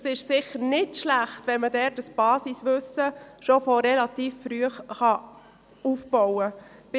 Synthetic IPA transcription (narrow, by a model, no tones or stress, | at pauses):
sɪʃsɪχːəɾnɪtʃlæχtʋɛnmədɛɾtəsb̥ɑːsisʋɵsəʃofɔɾɛlɑt̪iːffɾyəχχɑ | uːfb̥ɔwəb̥ɪ